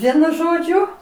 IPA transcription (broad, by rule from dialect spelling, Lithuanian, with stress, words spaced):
ˈʋʲiɛnʊ ʒoːˈd͡ʒʲʊ